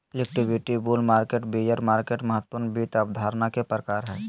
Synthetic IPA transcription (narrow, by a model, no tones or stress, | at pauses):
lɪkʈɪbɪʈibulmaːɾkeːʈbijəɾmaːɾkeːʈməɦət̪ːpʊɾnbiːt̪əbd̪ʱaːɾnakepɾəkaːɾɦɛː